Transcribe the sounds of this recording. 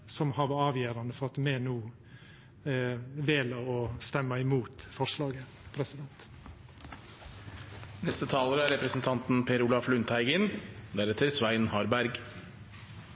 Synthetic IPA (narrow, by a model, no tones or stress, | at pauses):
sɔmhɑʋɑɑːʋjæːɾɑnəfɔɾɑt̪meːnuː | ʋeːləɔst̪ɛmːəɪmuːt̪fɔɾʂlɑːɡə | pʰɾɛsɪd̪ɛnt̪ | nɛst̪ət̪ʰɑːləɾəæɾɛpɾəsn̩t̪ʰɑnt̪n̩pʰeːɾʊlɑflʉnt̪ʰæɪɡənd̪æɾɛt̪ʰəɾsʋæɪnhɑɾbæɾɡ